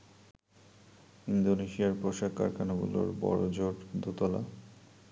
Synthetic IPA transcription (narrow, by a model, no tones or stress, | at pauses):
ind̪oneʃiaɾpɾoʃaka̰ɾkʰanabṵlo̰ɾbɔ̰ɾod͡ʑoʈd̪ot̪ɔla̰